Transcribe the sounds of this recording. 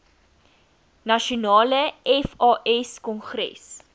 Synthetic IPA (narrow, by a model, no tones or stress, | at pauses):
nɐʃionɑːləɛfɑːʔɛskɔnχrɛ̰s